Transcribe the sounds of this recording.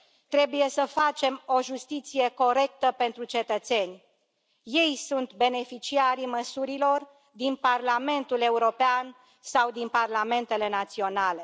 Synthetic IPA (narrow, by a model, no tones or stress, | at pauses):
t̪ɾe̞buje̞səfat͡ʃe̞mo̞ʒust̪it̪sije̞ko̞ɾe̞k̚t̪əpe̞nt̪ɾut͡ʃe̞t̪ət̪se̞nʲ | je̞jsunt̪be̞ne̞fit͡ʃiaɾiməsuɾilo̞r | d̪inparlame̞nt̪ule̞uɾo̞pean | sawd̪inparlame̞nt̪e̞le̞nat̪sio̞nale̞